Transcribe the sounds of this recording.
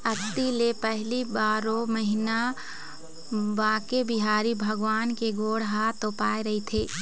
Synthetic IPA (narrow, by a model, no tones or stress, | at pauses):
ɐt̪ːilepɛɦlibaːɾoməɦɪna | baːkebɪɦaːɾibʱɐɡʋaːnkeɡoːɽɦaːt̪oːpaːeɾɐɦit̪ʰeː